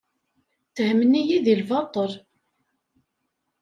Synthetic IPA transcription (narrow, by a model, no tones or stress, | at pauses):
tːəhmənijiðilvɑt̪ˤəɾ